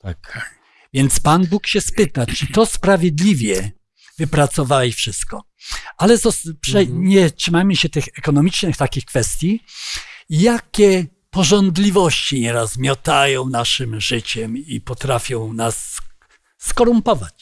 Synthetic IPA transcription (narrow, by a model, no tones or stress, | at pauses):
t̪ak | vʲjɛnt̪spanbukɕɛspɘt̪at͡ʂɘt̪ɔspɾavʲjɛd̪lʲivʲjɛ | vɘpɾat̪sɔvawɛfʂɘst̪̚kɔ | alɛzɔspʂɛɲɛtʂɘmajmɘɕɛt̪ɘxɛkɔnɔmʲit͡ʂnɘxt̪akʲixkfɛst̪ʲji | jakʲɛ | pɔʐɔnd̪lʲivɔɕt͡ɕiɲɛɾasmʲjɔt̪ajɔ̃w̃naʂɘmʐɘt͡ɕɛmipɔt̪ɾafʲjɔ̃w̃nasː | kɔɾumpɔvat͡ɕ